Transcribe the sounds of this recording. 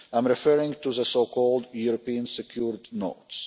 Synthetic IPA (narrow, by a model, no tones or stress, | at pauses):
ãɪ̃mɹɪfɜɹɪ̃ŋtuðəsokʰɔlˠdjuɹɔpĩə̃nsɛkʰjuɹdno̰ʊts